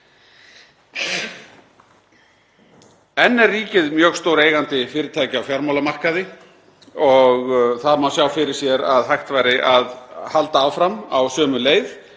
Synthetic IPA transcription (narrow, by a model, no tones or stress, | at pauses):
ɛnːɛriːcɪðmjœːɣst̪oːwɾeːjɣant̪ɪfɪːɾɪt̪ʰaːjcɪawfjaɾmawlamar̥kaðɪ | ɔɣθaðmawsjaːwfɪɾɪɾ̥sjɛɾaðɦajxt̪vaːjɾɪʔaðhalt̪aawfɾamawsœːmʏleːjð